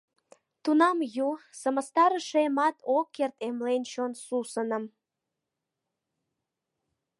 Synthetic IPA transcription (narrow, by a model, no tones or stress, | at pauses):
t̪unɑmjusəməst̪ɑɾəʃemɑt̪okːert̪emlent͡ɕonsusənəm